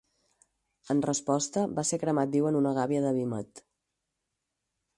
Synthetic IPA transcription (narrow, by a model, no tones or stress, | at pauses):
ənrəspɔst̪əbasekɾəmat̪̚d̪iwənunəɣ̞aβiəðəβimət̪